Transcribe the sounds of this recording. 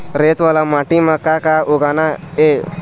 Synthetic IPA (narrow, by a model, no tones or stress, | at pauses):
ɾet̪ʋaːlamaʈimakakaʊɡanae